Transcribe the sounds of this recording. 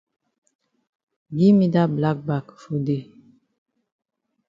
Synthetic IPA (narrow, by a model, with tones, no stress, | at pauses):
bi˦mi˦da˦bla˦k̚ba˨kfu˦de˦˨